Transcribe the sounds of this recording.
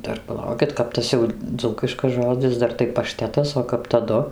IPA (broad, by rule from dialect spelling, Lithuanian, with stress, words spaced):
ˈdɐr pɐˈlˠɐʊkʲɪt ˈkɐp tɐs jɛʊ ˈd͡zuːkʲɪʃkɐs ˈʒoːd͡zʲɪs ˈdɐr tɐɪ pɐˈʃʲtʲæːtɐs oː ˈkɐp tɐˈdʊ